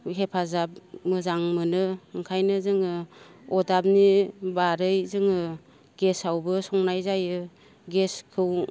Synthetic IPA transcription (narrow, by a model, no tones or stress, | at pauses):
ɦepʰazap̚mɯzaŋmɯnɯɯŋkʰajnɯzɯŋɯɔdab̚nibaɾɯjzɯŋɯ | ɡ̥esawbɯsɔŋnajzajɯ | ɡeskʰɯw